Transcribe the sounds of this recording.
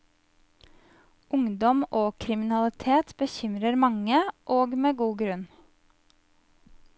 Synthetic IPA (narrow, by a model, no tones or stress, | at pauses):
ʊŋd̪ɔmʔoːkʰɾɪmɪnɑlɪt̪ʰeːt̪bəçʏmɾəɾmɑŋəʔoːɡmeːɡuːɡɾʉn